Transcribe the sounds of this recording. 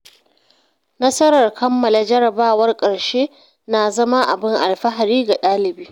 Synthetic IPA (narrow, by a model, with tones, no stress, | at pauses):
nɐ˦sɐ˦ɾɐ˨rkʰɐ˦mːɐ˨la˨d͡ʒɐ˦ɾɐ˨baː˦wɐ˦rkʼɐ˨ɽʃeː˦ | na˨zɐ˦ma˦ʔa̰˨bɪ˦ŋʔa˨lɸɐ˦ɦa˨ɾiː˦ɡa˨ɗaː˦lɪ˨biː˦